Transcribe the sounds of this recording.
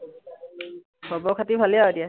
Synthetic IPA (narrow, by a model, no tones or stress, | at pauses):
bɔbɔkʰatibʱaliaedija